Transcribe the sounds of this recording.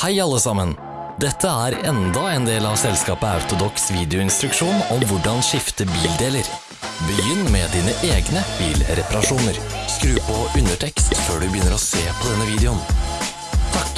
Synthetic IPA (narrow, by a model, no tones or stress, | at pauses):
hæɪɑlːəsɑmən | d̪ɛt̪ʰːəæːɾɛnd̪ɑɛːnd̪eːlɑʋsɛlskɑːpəɑ̰ʉt̪ʊd̪ɔksʋiːd̪ɪʊɪnst̪ɾʉkʂuːnɔmʋʊɖɑnʃɪft̪əbiːld̪eːləɾ | bəjʏnːmɛːd̪iːnəʔeːɡnəb̥iːlɾɛpɑɾɑʂuːnəɾskɾʉːpʰɔʔʉnəʈʰɛkst̪føːɖʉbəjʏnːəɾɔseːpʰɔd̪ɛnːəʋiːd̪ɛʊn | t̪ʰɑk